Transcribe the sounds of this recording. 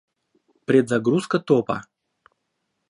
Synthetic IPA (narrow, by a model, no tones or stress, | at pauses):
pɾʲɪd̪zɐɡɾuskət̪opɐ̰